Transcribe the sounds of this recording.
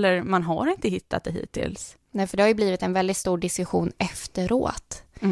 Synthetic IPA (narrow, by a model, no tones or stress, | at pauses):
lːəɾmanɦa̰ɾɪnt̪əhɪt̪ʰːa̰t̪̚d̪ɛɦḭːt̪ʰːɪ̰ls | nɛːfœɖɛhajɵbliːvɪt̪ɛnvɛld̪ɪt̪st̪uːɖɪskɵɧuːnʔɛft̪əɾo̰ːt̪